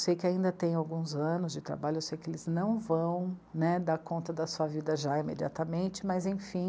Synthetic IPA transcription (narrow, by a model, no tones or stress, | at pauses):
wsejkɪaĩnd̪ɐt̪ẽj̃awɡũzɐ̃nʊzd͡ʒɪt̪ɾa̰baʎʊewsejkɪelɪznɐ̃w̃vɐ̃w̃nɛd̪aɾkõnt̪ɐd̪ɐsuɐvid̪ɐʒaimḛd͡ʒia̰t̪ɐmẽnt͡ʃɪmɐzẽj̃fĩ